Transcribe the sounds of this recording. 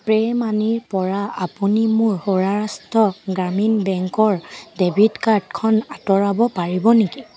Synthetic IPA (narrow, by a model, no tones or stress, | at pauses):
pɹɛmaniɹpɔɹaapunimʊɹhoɹaɹastɔɡɹaminbɛŋkɔɹdebʱitkaɹdkʰɔnatɔɹabɔpaɹibɔniki